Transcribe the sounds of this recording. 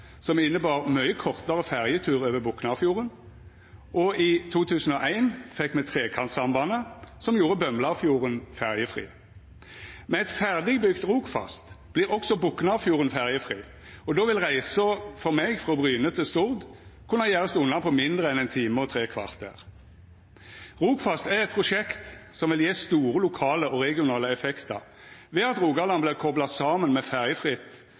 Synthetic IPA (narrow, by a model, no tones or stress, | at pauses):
sɔmɪnːəbɑːʁmœʏəkʰɔʁt̪ɑʁəfæʁjət̪ʰʉːʁøːʋəbʊknɑfjuːʁən | ʔɔit̪ʰuːt̪ʰʉːsən̩ɔʔæɪnfɛkːmɛt̪ʰʁeːkʰɑnt̪sɑmbɑːnəsɔmjuːɾəbœmlɑfjuːʁənfæʁjəfʁḭː | mɛnɛt̪fæʁd̪ɪɡbʏɡt̪ʁuːkfɑ̰st̪b̥liːʁɔksɔbʊknɑfjuːʁənfæʁjəfʁiː | ɔd̪oːʋɪlʁæɪsəfɔʁmeɡfʁoːbʁyːnət̪ʰəst̪ʊʁd̪kʰʊnːəjæːʁɑst̪ʊnːɑpʰɔmɪnd̪ʁəɛnɛɪnt̪ʰiːməʁɔt̪ʰʁeːkʰʋɑʁt̪æ̰ʁ | ʁuːkfɑst̪æʁɛt̪̚pʰʁʊʃɛkt̪sɔmʋɪljeːst̪uːɾəlʊkʰɑːləʔɔʁɛɡɪʊnɑːləɛfɛkt̪ə | ʋɛːɑt̪ʁuːɡɑlɑnblɪʁkʰɔblɑsɑːmənmɛfæʁjəfʁɪt̪ː